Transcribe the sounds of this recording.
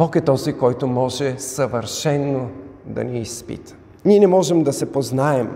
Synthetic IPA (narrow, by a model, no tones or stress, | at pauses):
ɔkɛt̪ɔzikɔjt̪ʊmɔʒɛsɐvəɾʃɛnːod̪ɐ̰nɛispḭt̪ə̥ | niɛnɛmɔʒɛmd̪ɐsɛpoznaɛm